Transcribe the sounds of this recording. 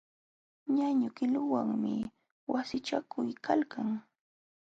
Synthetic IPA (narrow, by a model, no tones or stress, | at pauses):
ɲaɲʊkɪlʊwaŋmɪ | wasɪt͡ʃakʰʊjkʰalkʰaŋ